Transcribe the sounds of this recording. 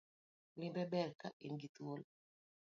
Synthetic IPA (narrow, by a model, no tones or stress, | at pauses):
limbɛbɛɾkaʔiŋɡit̪uɔl